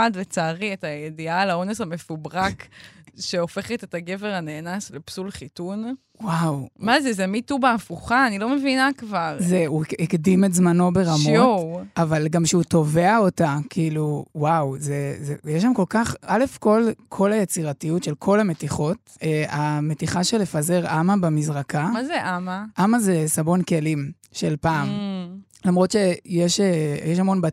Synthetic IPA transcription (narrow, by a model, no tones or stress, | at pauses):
adlet͡saːʁietajedialao̞nesame̞fubʁakʃeo̞fe̞χetetaɡe̞veʁaneːnaslepsulχitun | wawmazezemitubaːfuχaːnilo̞mevinakvaʁzeuikdimetzmano̞be̞ʁamooavalɡamʃeuto̞ve̞ao̞takʰiːluwawzezejɛʃ̬amko̞lkaχʔale̞fko̞lkʰo̞lajet͡siʁatijutʃe̞lkʰo̞lametiχo̞t | eame̞tiχaʃele̞faze̞ʁʔamabemizʁakamazeʔamaʔamaze̞sabo̞nke̞lim | ʃelpaːm | lamʁo̞tʃejeʃejeʃamo̞nba